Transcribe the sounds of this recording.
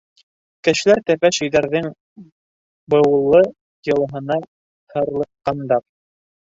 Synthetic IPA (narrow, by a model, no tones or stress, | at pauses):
kɘ̆ʃ̆læɾt̪æpæʃɵ̆jðæɾðɘŋ | bɤ̆wlˠːɤ | jɤ̆lˠɤɦɤ̆nɑ | hɤ̆ɾlˠɤ̆qqːɑnd̪ɑp̚